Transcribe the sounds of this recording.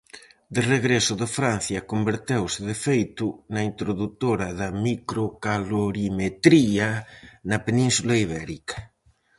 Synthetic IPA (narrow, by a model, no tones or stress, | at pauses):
d̪ɪreɣɾesʊðɪfɾanθjɐkombeɾt̪ewsɪðefejt̪ʊnɐint̪ɾoðut̪oɾɐðɐmikɾokaloɾimet̪ɾianɐpenĩnsulaiβ̞ɛɾikɐ̥